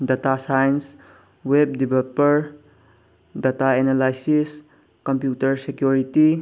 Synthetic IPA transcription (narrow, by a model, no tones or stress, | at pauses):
datasajns | web̚dibʱelpəɾ | dataenalajsis | kɔmpjutəɾsekjuɾiti